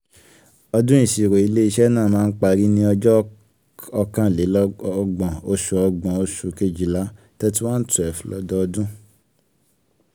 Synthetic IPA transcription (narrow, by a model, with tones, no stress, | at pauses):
ɔ˧dũ˦ĩ˦˨si˨ɾo˨i˨˧le˦i˦˧ʃɛ˦nãː˦˨mãː˦˧n̩˦k͡pa˧ɾi˦nĩ˧˦ɔ˧d͡ʒɔ˦ | ɔ˧kã˧˦˨le˨˦lɡ͡bɔ̃˨o˧ʃu˨ɔ˧ɡ͡bɔ̃˨o˧ʃu˨ke˧d͡ʒi˨la˨˦ | tɛ˦t̬i˦wã˦n̩˦tu˦˨ɛ˨fũ˨˦lɔ˦dɔ˦ɔ˧dũ˦